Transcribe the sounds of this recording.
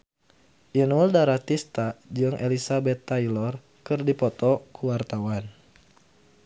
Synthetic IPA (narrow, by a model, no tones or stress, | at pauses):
ʔinuldaɾat̪ist̪ad͡ʒɨŋʔelisabɛt̪ːailɔr | kɨrdipɔt̪ɔkuwart̪awan